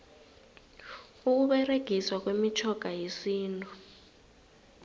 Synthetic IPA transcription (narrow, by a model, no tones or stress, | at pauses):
uk̬uɓɛreɡ̥ʱiswak̬wemit͡ʃʰɔɡ̥ʱajesiːntʼu